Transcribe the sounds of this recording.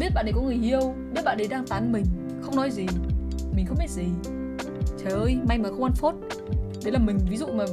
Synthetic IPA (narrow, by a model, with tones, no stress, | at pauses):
ɓi˦˥t̚ɓa̰ː˧˨nɗkɔ˨˦ŋɨ˨˩əjhi˧əwɓi˦˥ət̚ɓa̰ː˧˨ɗə˨˦jɗaː˧ŋt̪aː˨˦nmï˨˩ŋ̟ | xə˧wŋ͡mnɔ˨˦jzi˨˩mi̟˨˩xə˧wŋ͡mɓi˦˥t̚zi˨˩ | t͡ɕaː˨˩ʔəː˧jma˧jmaː˨˩xə˧wŋ͡mʔa˧nfo˦˥t̚ | ɗe˨˦laː˨˩mï˨˩ŋ̟vi˨˦zṵ˧˨maː˨˩